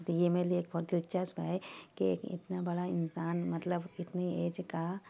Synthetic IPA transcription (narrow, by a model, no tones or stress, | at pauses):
t̪ojemelieːkbɔɾd̪ɪlt͡ʃasbʱajkiḛːkɪ̰t̪nabɐɽaɪnsaːnmɐt̪ləbɪt̪neieːd͡ʒka